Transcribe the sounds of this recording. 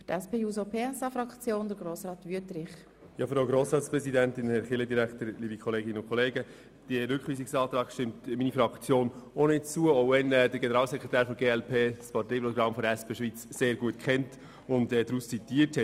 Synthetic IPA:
tɛspeːjuːzopʰeːɛsɑfɾɑkt͡sjoːndəɾɡɾoːsɾɑːt̪ʋyətɾɪχ | jɑːfɾaʊɡɾoːsɾɑːtspɾɛsidæntɪnhɛχɪlədiɾæktəɾliːbikʰχɔleːɡɪnəʊnkʰχɔleːɡə | d̥iəɾʏkχʋiːsɪksɑːtɾɑːɡʃtɪmtminifɾɑkt͡sjoːnonɪt͡suəoʊvɛnɛdəɾɡenəɾɑːlsɛkχɾetæːɾfɔmɡeːɛlpʰeːspʰɑtɛjpɾɔɡɾɑmfɔɾdɛspʰeːʃʋit͡sseːɾɡuətkχɛnt | ʊndɛdɾust͡sitiːəɾthɛ

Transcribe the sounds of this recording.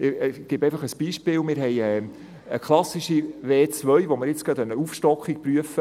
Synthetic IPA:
ɡ̥ɪbɛjfɑχəsb̥iːʃpɪːlmɪːɾɦɛjɛ | əkχlɑsiʃiʋeːt͡sʋœɥʋomɪɾjɪt͡skœt̪œnːəufʃtɔkχik̚pɾyəfə

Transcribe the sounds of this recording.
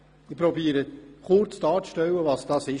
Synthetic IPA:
ɪpɾɔbiəɾəχʊɾt͡stɑːɾt͡sʃtɛwəvɑsd̥ɑsɪ

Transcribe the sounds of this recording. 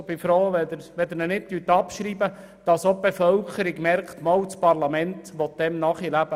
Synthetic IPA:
b̥ɪfɾoːʋɛd̪əɾʋɛd̪əɾnənɪt̚tytːɑpʃɾiːbə | d̥ɑsob̥efœwkʰəɾiɡmɛɾkχt̪mɑwt͡spɑɾlɑmɛntʋɔt̚d̥̪ɛmnɑχilæb̥ə

